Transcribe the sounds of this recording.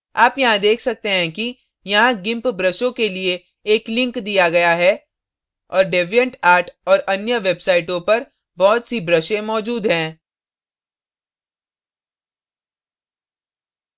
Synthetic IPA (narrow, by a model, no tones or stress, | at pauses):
aːpjɐɦãd̪eːkʰsɐk̚t̪eɦɛ̃ki | jɐɦãɡɪ̃mpbɾəʃõkelieː | klɪ̃ŋkd̪ijaɡɐjaɦɛː | ɔːɾɖeːʋijə̃ɳʈaːɾʈɔːɾɐnjəʋebsaːɪʈõpɐɾ | bɔːt̪sibɾəʃẽmɔːd͡ʒuːd̪ɦɛ̃ː